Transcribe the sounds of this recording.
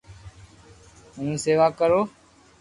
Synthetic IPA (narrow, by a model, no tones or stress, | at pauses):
ɦũːseːʋaːkəɾoː